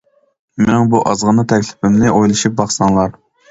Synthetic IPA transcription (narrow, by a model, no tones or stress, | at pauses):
mɪnɪŋbuʔɑzʁənɨt̪ʰɛkʲlɪ̥pʰɪmlɪʔojlˠɨʃup̚bɑχsɑŋlˠɑɾ